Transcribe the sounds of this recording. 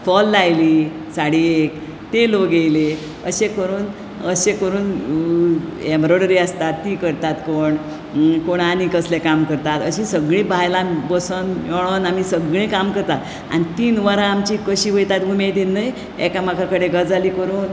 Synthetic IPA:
fɔlːajliː | saɽiek | t̪eloɡejle | əɕekəɾuːn | əɕekəɾuːn | embɾoɽəɾiəst̪at̪ːiːkəɾt̪at̪koɳ | koɳanikəslekamkəɾt̪at̪əɕisəɡɭĩbajlabəsənjoɭ̃onam̤isəɡɭẽkamkəɾt̪at̪ | a̰nit̪iːnʋəɾãamt͡ɕikəɕiːʋəjt̪at̪ɡʱumed̪inːəj | ḛkamakʰakəɽeɡəd͡zaliːkəɾuːn

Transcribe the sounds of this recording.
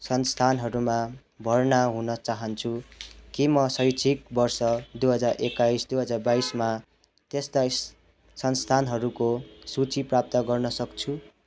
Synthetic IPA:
sʌnst̪ʰanɦʌɾumã | bʱʌrnaɦunʌt͡saɦʌnt͡sʰukimʌsʌjt͡sʰik̚bʌrsʌd̪uɦʌd͡zarekajsd̪uɦʌd͡zarbaisma | t̪est̪a | sʌnst̪ʰanɦʌɾukosut͡siprap̚t̪ʌɡʌrnʌsʌkt͡sʰu

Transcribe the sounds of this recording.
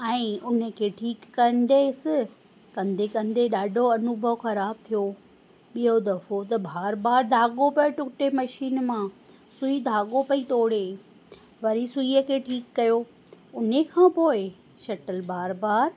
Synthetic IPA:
ɛ̃ːʊnəkʰeːʈʰiːkːɐn̆d̪esɪ | kɐ̃nd̪ʱekɐ̃nd̪eɗaːɖʱoɐnʊbʱəʋxɐɾaːb̚t̪ʰijo | ɓijod̪ɐfot̪ɐbʱaːɾbaːɾd̪ʱaːɠopɐɪʈʊkʈemɐʃiːnmã | sʊid̪ʱaːɠopɐit̪oːɽe | ʋɐɾisʊiəkʰeːʈʰiːkːɐjo | ʊnekʰãːpoːɪ | ʃɐʈəlbaːɾbaːɾ

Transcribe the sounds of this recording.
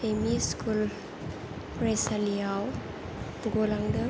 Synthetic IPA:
emiskʰul | ɾesaliaw | buɡɔlaŋdə

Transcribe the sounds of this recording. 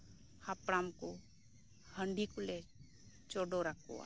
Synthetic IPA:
hapɽamko | həɳɖikule | t͡ʃoɖoɾakʰo̰a̰

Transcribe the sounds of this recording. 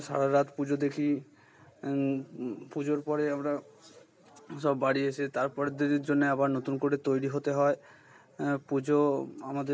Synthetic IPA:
ʃa̰ɽaɾat̪pud͡ʑod̪ekʰi | pud͡ʑoɾpɔɾeamɾa | ʃɔbːaɽiet͡ɕʰet̪aɾpɔɾed̪eɾɾd͡ʑonːeabaɾnot̪unkoɽet̪ojɽiɦot̪eɦɔe | pud͡ʑoamad̪e

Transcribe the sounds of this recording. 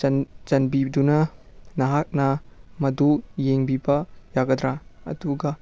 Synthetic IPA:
nd͡ʒɐnbidunɐnɐɦak̚nɐmɐdujeŋbibɐjaɡɐd̪ɾaɐ̰duɡɐ

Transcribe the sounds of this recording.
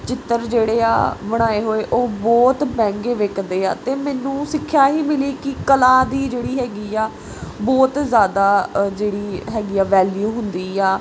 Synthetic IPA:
t͡ʃɪt̪ːəɾd͡ʒeːɽeːa̰ːbəɽ̃aːeːɦoːeːʔoːbɔːt̪bɛ̃ːŋɡeːʋeːkʰd̪eːa̰ːt̪eːmɛːnũːsɪkʰːjaːɦiːmɪliːkɪkəlaːd̪iːd͡ʒeːɽiːɦɛːɡiːaː | bɔːt̪zjaːd̪aːd͡ʒeːɽiːɦɛːɡiːaːʋɛːljuːɦʊnd̪iːaː

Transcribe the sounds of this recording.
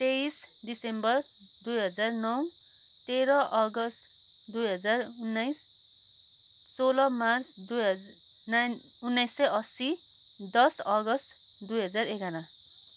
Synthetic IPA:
t̪eisd̪isembʌr | d̪ujɦʌd͡zarnʌw | t̪eɾʌʔʌɡʌst̪ | d̪ujɦʌd͡zarunːajs | olʌmart͡sd̪ujɦʌ | na | unːʌjsːʌjʔʌsi | d̪ʌsʌɡʌst̪ | d̪ujɦʌd͡zarekanã

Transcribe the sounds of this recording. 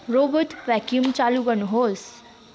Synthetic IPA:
ɾobət̪ʋɛkjumt͡ɕaluɡʌnuɦoːs

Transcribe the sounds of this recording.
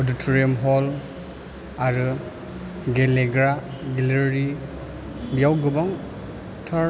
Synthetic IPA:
ɔditʰɔɾiɔmɦɔl | aɾɯ | ɡeleɡɾaɡeleɾi | bijawɡɯbaŋ | tʰa

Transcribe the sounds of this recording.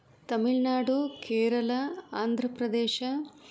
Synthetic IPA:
t̪ɐmiɭnaːɽukeːɾɐlɐaːnd̪ʱɾɐpɾɐd̪ɛːʃɐ

